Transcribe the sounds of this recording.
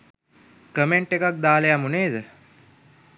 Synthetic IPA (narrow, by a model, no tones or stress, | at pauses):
kəmeɳʈekak̚d̪aːlejamuneːd̪ə